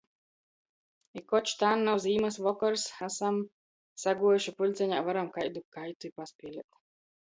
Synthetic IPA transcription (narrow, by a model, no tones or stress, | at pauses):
ikɔt͡ʃt̪aːnːawziːmasvɔkɔɾsasam | saɡuɔjuʃipulʲt̪sʲɛɲa̰ːvaɾamkajd̪ukajt̪uipaspʲiɛlʲik̚t̪